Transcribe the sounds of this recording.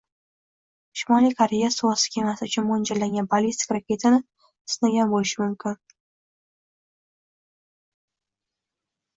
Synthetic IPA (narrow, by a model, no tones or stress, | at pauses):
ʃɪmɒlijkʰaɾe̞jasuwɑsɪ̥kʲʰemasɪʊt͡ʃʰʊnmond͡ʒalaŋɡʲanbalist̪ɪ̥kʲɾakʲe̞t̪ʰanɪ | ɪsnaɡʲanbolɪʃɪmʊmkʲʰɪn